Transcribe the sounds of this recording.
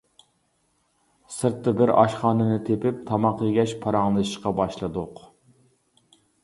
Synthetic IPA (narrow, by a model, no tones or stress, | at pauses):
sɨɾt̪ːɨbɪɾɑ̰ʃχɑːnɨnɨt̪ʰepɪp̚t̪ʰɑmɑqˠɨɡʲɛʃpʰɑɾɑŋlˠɨʃɪʃqɑbɑʃlˠɨd̪ʊq